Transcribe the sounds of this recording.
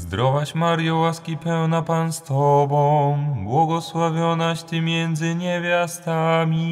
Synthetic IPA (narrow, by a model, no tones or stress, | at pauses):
zd̪ɾɔvaɕmaɾjɔwaskʲipɛwnapanst̪ɔbɔ̃bwɔɡɔswavʲjɔnaɕt̪ɘmʲjɛnd̪zɘɲɛvʲjast̪amʲi